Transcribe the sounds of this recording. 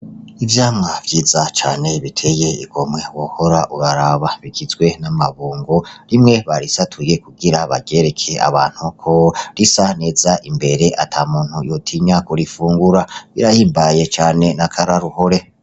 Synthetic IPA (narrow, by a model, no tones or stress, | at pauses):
ivjaːmŋav̥ɟiːzat͡ʃaːne̞βitʰe̞je̞ḭɡo̞mwe̞woho̞ɾaʔuɾaɾaβaβikizɡwe̞namaβuːŋɡo̞ɾimŋe̞βaɾisatʰuje̞kuɡiɾaβa̰ɡe̞ɾe̞kʰe̞a̰βa̰ːn̥hukʰo̞ɾisane̞ːzaʔimbe̞ɾe̞ʔatʰamuːn̥hujotʰiɲakuɾifuːŋɡuɾaβiɾajiːmbaje̞t͡ʃaːne̞nakʰaɾaɾuho̞ɾe̞